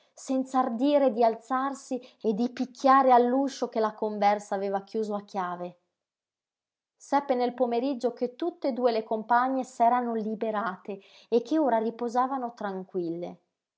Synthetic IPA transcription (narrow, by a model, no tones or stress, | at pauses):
sɛnt̪sard̪iːɾed̪ialt̪sarsied̪ipikʰʲːjaːɾealːuʃokelakoɱvɛrsaːveːvak̟juːzoakːjaːve | sɛpːenelpomeɾid͡ʒːoket̪ːut̪ːed̪uːelekompaɲːesɛːɾanolibeɾaːt̪e | ekʰːeoːɾaripozaːvanot̪ɾaŋkwilːḛ